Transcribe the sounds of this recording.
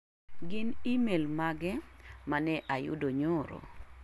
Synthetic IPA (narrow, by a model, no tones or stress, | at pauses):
ɡɪnimelmaɡɛmanɛʔajʊ̰doɲʊɾo̰